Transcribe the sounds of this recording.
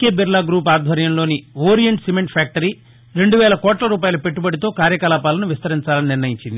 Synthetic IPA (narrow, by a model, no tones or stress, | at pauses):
keːbiɾlaːɡɾuːpaːd̪ʱʋɐɾjɐmlo̞ːniʋoːɾijɐɳʈsimeɳʈpʰjaːk̚ʈɐɾiː | ɾe̞ɳɖuʋɛːlɐkɔːʈlɐɾuːpaːjɐlupe̞ʈːubɐɽit̪o̞ːkaːɾjɐkɐlaːpaːlɐnuʋist̪ɐɾiɲt͡ʃaːlɐniniɾnɐjiɲt͡ʃind̪i